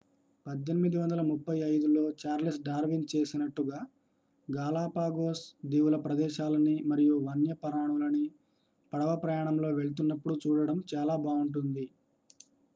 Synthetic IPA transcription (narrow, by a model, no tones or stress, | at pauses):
pɐd̪ːe̞nimid̪iʋɐnd̪ɐlɐmupːɐjɐjd̪ulo̞ːt͡ʃaːɾlisɖaːɾʋint͡ʃe̞ːsinɐʈːuɡaː | ɡaːlaːpaːɡoːsd̪iːwulɐpɾɐd̪ɛːʃaːlɐnimɐɾijuʋɐnjɐpɐɾaːɳulɐni | pɐɽɐʋɐpɾɐjaːɳɐmlo̞ːʋe̞ɭut̪̬unːɐpːuɽut͡ʃuːɽɐɽɐmt͡ʃaːlaːbaːuɳʈund̪i